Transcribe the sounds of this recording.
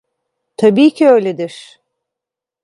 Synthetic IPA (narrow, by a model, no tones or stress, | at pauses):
t̪ʰabiːcʰiø̞jlʲed̪iɾ̥